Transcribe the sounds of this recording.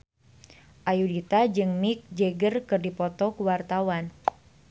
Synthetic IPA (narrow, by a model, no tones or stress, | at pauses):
ʔajudit̪ad͡ʒɨŋmik̚d͡ʒeɡərkɨrdipɔt̪ɔkuwart̪awan